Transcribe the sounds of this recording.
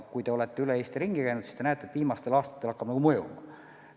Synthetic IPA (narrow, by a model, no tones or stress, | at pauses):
kujt̪e̞o̞let̪ːe̞yleeːst̪iɾiŋɡikæjnut̪si̥st̪enæet̪ːet̪viːmɑst̪e̞lɑːst̪ɑ̥t̪ːelɑkːɑb̥nɑɡ̥umɤjṵmɑ